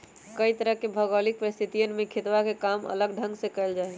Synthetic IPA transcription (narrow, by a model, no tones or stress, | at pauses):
kəit̪əɾəɦkebʱəɡəlik̚pəɾist̪ʰit̪ijənmẽkʰet̪ʋakekamə̰ləɡɖʱə̃ŋɡsẽkəɪld͡ʒaɦi